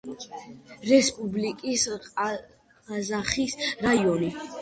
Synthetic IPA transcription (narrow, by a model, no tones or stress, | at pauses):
ɾɛspʼublikʼisʼ | azaχisɾaiɔni